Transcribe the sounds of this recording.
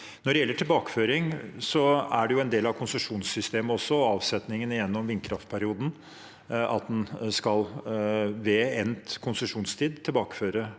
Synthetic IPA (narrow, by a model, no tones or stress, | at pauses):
nɔɖɛjɛlːəʈʰɪlbɑːkə̥føːɾɪŋsɔæ̰ɖɛjʊɛnd̪eːlɑʋkʰʊnsəʂuːnsːʏst̪eːməɔsːɔɑːʋsɛt̪nɪŋənɪjɛnːɔmʋɪnkʰɾɑft̪̚pʰæɾɪuːd̪n̩ | ʔɑ̰t̪̚d̪ɛnskɑl | ʋeːɛnt̪kʰʊnsʉʂuːnst̪ʰiːd̪t̪ʰːɪlbɑːkə̥føːɾə